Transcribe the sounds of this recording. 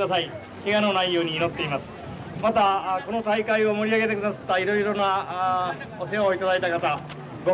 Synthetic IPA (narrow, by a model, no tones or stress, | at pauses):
asai | keɡanonaiːo̞ːɲ̟iːnose̥t̪e̞imasɨ̥ | mat̪ako̞not̪aikaio̞mo̞ɾʲiaɡe̞t̪e̞kɯ̟d̪asɨ̥t̪ːaiɾo̞iɾo̞na | os̬eaoit̪ad̪ait̪akat̪a | ɡo